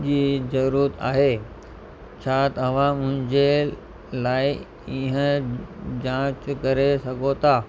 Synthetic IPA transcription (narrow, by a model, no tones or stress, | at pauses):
d͡ʑiːzɐɾuɾɾət̪a̰ːɦeː | t͡ɕʰat̪ɐɐʋ̤ãmʊ̃ɦɪ̃ɲd͡ʑe | laːi | iɦə̃ | d͡ʑãːt͡ɕkɐɾesɐɡʱot̪ʰaː